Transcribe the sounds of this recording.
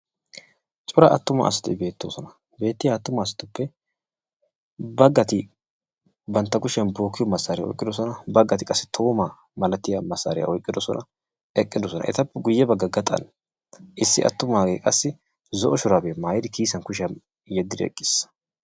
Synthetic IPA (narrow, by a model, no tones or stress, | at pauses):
t͡ʃʼʊɾɐʔɐt̪ːʊmɐ̰ːsɪ̥t̪ɪbe̞ːt̪ːoːsɔnɐ | be̞ːt̪ːɪjaːt̪ːʊmɐːsɪ̥t̪ʊpːɛ | bɐɡːɐt̪ɪ | bɐnt̪ːɐkʊʃɪɐnbo̞ːkːɪjɔmɐsːɐːɾɪjɔ̰jkʼːɪd̪ɔs̬ɔnɐbɐɡːɐt̪ɪkʼɐsːɪ̥t̪ʰo̞ːma | mɐlɐt̪ɪjamɐsa̰ɾɪjɐ̰ʔɔjkʼːɪd̪ɔsɔ̰nʔɐ̰ | ɛkʼːɪd̪ɔsɔnɐ̰ʔɛ̰t̪ɐpːɛɡʊjːɛbɐɡːɐɡɐt̪ʼɐ̰n | ʔɪsːɪʔɐ̰t̪ːʊmaːɡeːkʼɐsːɪ | zɔʔɔʃʊɾabeːmaːjd̪ɪkʰiːsɐnkʊʃ̬ɪɐn | jɛd̪ːɪd̪ɪɛ̰kʼːɪsɐ̥